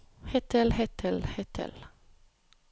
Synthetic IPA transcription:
hɛt̪əlhɛt̪ʰəlhɛt̪ʰə̰l

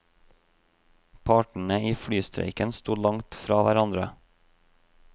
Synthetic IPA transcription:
pʰɑːʈɳ̩əiːfɽyːst̪ɾḛɪkənst̪uːlɑŋt̪fɾɑːʋæɾɑnd̪ɾə

